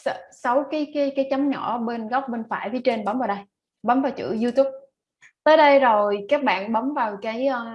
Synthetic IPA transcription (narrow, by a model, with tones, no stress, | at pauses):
sə˨˦wkaː˨˦jkaː˨˦jkaː˨˦jt͡ɕa˨˦mɲɔ˧˩ɓe˧nɣɔ˦˥wk͡p̚ɓe˧nfa̰ː˧˩˨jvi˨˦t͡ɕe˧nɓə˨˦mvaː˨˩wɗə˧j | ɓə˨˦mvaː˨˩wt͡ɕɨ̰˧˥zu˧t̪u˦˥p̚ | t̪əː˨˦jɗə˧jzo˨˩jkaː˦˥k̚ɓa̰ː˧˨nɓə˨˦mvaː˨˩wkaː˨˦jʔə˧